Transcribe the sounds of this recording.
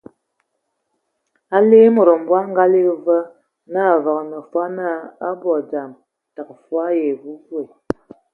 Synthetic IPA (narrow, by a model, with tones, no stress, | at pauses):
a˦le˦mo˨ɾə˨m̩˨bwa˦ŋ˦ɡa˦li˦˨və˦ | na˦˨vɔ˨knə˨fa˦na˦a˦bɔ˨d͡ʒa˨m | ta˨kfwa˦je˨ɡu˦ɡwe˨